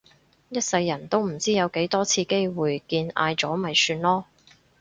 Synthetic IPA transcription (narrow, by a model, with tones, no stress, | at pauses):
jɐ˥t̚sɐ˧jːɐ˨˩nt̪o˥wm̩˨˩t͡siː˥jɐ˨˧wke˨˥jt̪ɔː˥t͡sʰiː˧ke˥jwuː˨˩jkiː˧na̰ː˧jt͡sɔː˨˥mɐ˨jsyː˧nlɔː˥